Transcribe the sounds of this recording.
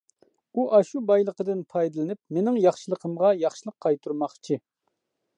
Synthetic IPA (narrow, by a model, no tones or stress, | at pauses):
uʔɑʃubɑjlˠəqəd̪ɨnpʰɑjd̪ɨlɪnɪpmenɪŋjɑχʃəlˠəqʰəmʁɑjɑχʃɨlˠəqʰːɑjt̪ʰuɾmɑχt͡ʃʰi